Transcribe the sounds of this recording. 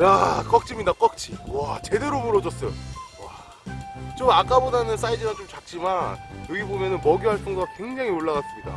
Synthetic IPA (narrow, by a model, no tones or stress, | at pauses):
jak͈ʌk̚t͡ɕ͈imɲidak͈ʌk̚t͡ɕ͈ʰiwat͡ɕe̞de̞ɾomuɾʌd͡ʑʌs͈ʌjowa | t͡ɕomak͈abodanɯns͈aid͡ʑimant͡ɕomt͡ɕak̚t͡ɕ͈imanjʌɡibomjʌnɯnmʌɡiwaɭt͈oŋdoakwe̞ŋd͡ʑaŋioɭːaɣas͈ɯmɲida̰